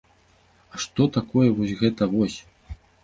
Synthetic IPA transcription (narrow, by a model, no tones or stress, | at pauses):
ɐʂt̪ɔt̪akɔjɛvɔsʲɣɛt̪ɐvɔsʲ